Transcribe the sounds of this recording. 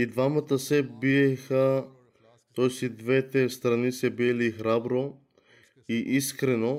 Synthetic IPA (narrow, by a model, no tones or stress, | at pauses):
id̪vamat̪asɛbiɛxa | t̪ojsid̪vɛt̪ɛst̪ɾanisɛbilixɾabɾo | iʔiskɾɛno